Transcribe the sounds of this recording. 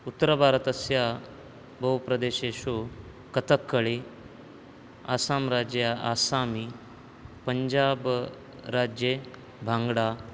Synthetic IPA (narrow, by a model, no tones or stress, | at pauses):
ut̪ːəɾəbʱaːɾət̪əsja | bɐwpɾɐd̪eːɕeːɕo | kət̪əkːəɭe | a̰ːsaːmɾaːd͡ʑjaʔaːsaːmi | pəɲd͡ʑaːb | ɾaːd͡ʑje | bʱãŋɡɽa